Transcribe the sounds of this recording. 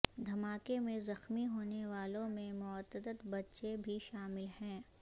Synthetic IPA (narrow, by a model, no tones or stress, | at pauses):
d̪ʱɐmaːkemẽzɐxmiɦoːneʋaːlõmẽmʊət̪əd̪ət̪bɐtːʃebʱiʃaːmɪlɦɛ̃ː